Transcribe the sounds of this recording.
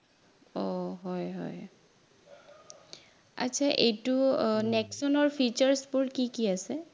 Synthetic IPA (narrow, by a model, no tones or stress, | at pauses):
ɔɦɔjɦɔ̰j | a̰sʰaʔejtunɛksɔnɔɹpʰit͡ʃaɹspʊɹkikiasɛ